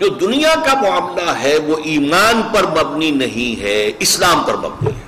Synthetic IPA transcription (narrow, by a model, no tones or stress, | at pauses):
d͡ʒoːd̪ʊnijakamʊaːmlaɦɛʋoʔiːmaːnpɐɾmɐbninɐɦĩɦɛɪslaːmpɐɾmɐ̰bnḭɦɛ